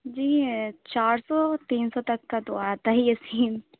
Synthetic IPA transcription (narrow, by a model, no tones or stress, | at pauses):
d͡ʒiːt͡ʃaːɾsɔt̪iːnsɔt̪ɐkːat̪oaːt̪aɦɛjɐsiːn